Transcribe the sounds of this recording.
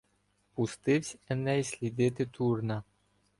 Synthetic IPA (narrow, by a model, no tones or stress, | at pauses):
pʊst̪ɪwsʲɛnɛjisʲlʲid̪ɪt̪ɪt̪ʰurnɐ